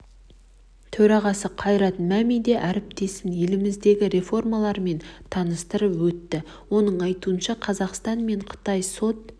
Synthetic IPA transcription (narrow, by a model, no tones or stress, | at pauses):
t̪ʰɵɾɑʁɑsəqʰɑjɾɑt̪mæmijd̪e̞ʔæɾɪp̚t̪e̞sɪnje̞lɪmɪzd̪e̞ɡʲɪɾe̞fo̞rmɑlˠɑɾme̞nt̪ʰɑnəst̪əɾəpwɵt̪ːɪ | wo̞nəɴɑjt̪uənʃɑqʰɑzɑqst̪ɑnme̞ɴqʰə̥t̪ɑjso̞t̪̚